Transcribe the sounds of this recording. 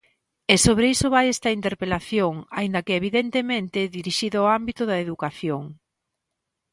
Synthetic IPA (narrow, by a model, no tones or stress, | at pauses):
esoβɾeisoβajɛst̪ɐint̪eɾpelaθjoŋaind̪ɐkeeβ̞iðent̪emẽnt̪ɪðiɾiʃiðʊoambit̪ʊðɐeðukaθjoŋ